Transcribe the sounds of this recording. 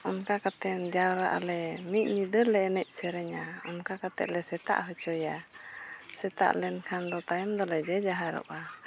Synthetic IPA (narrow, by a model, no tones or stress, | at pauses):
ɔnkakat̪ɛnd͡ʒawɾa̰ʔalɛmiʔ̚ɲid̪əlɛnɛc̚sɛɾɛɲaɔ̰nkakat̪ɛ̰ʔlɛsɛt̪a̰ʔɦɔt͡ʃɔja | sɛt̪a̰ʔlɛnkʰand̪ɔt̪ajɛmd̪ɔlɛd͡ʒɛd͡ʒaɦaɾɔ̰ʔa